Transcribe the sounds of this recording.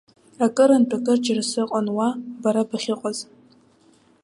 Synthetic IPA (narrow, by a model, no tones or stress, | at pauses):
akʼɨɾantʰʼakʼɨrd͡ʒarsɨqʼanwabaɾabaχʲɪqʼaz